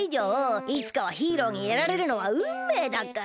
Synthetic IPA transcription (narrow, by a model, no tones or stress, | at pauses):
id͡ʑoːit͡sɨ̥kaβ̞açiːɾo̞ːɲ̟ieɾaɾe̞ɾɯ̟no̞βaɯ̟mːe̞ːd̪akːa